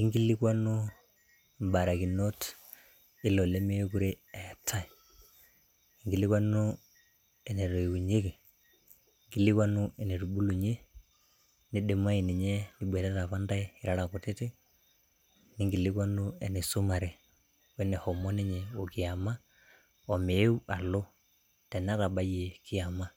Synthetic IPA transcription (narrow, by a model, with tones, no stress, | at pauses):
i˦ŋɡi˦li˦kwa˦nu˦ | m˨ba˨ɾa˨ki˨no˦t | i˦lo˨le˦me˦jo˦ku˦ɾe˦e˨tʰːa˦i˨ | i˨ŋɡi˨li˦kwa˦nu˦ | ɛ˨ne˨ɾɔ˨i˨wu˨ɲe˦ke˨ | ŋɡi˦li˦kwa˦nu˦ɛ˨ne˨ɾu˨ɓu˦lu˨ɲe˦ | ni˦ɗe˨ma˦i˨ni˨ɲɛ˦ni˨˦ɓwɛ˨ɾa˦ta˨βa˦nda˦ɛ˦i˨ɾa˦ɾa˨ko˨te˦te˦ | ni˦ŋɡi˨li˦ka˦nu˦ɛ˨ne˨su˦ma˨ɾe˨ | wɛ˦ne˨hɔ˨mɔ˦ne˦ɲɛ˨o˨kɪ˨a˨ma˦ | ɔ˨me˨˦u˦a˨lo˦ | tɛ˨n˦a˦ta˨ɓa˦je˨kɪ˦a˨ma˦